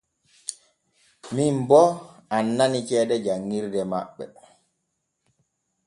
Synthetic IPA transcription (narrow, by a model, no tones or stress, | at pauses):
mimbɔanːanit͡ʃɛːdɛd͡ʒaŋːiɾdɛmaɓːɛ̰